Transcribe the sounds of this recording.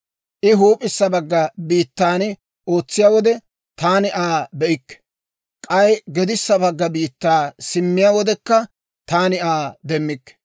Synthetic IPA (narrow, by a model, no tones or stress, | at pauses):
ʔɪɦuːpʼɪsːɐbɐɡːɐbiːt̪ːaːn | o̞ːt͡sːɪjaːwɔd̪ɛ | t̪aːnɪʔaːbɛʔɪkːɛ̥ | kʼɐjɡɛd̪ɪsːɐbɐɡːɐbiːt̪ːaːsɪmːɪjawɔd̪ɛkːɐ | t̪aːnɪaːd̪ɛmːɪkː